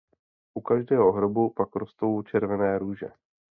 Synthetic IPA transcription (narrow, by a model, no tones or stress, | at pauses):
ʔukaʒdɛːɦo̞ɦɾobupakɾost̪o̞wt͡ʃɛɾvɛnɛːɾuːʒɛ̰